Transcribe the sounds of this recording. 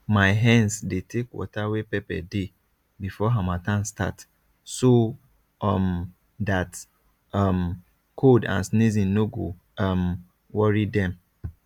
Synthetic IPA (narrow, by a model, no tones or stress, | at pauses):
mãɪɦɛ̃nsdetʰekwɔ̰tʰawepɛpɛ̰de | bifɔɦãmatʰãnstʰa̰t | so | am | dat | ãm | kʰodã̰nsnizĩnnoɡo | ãm | wɔɹidɛ̃m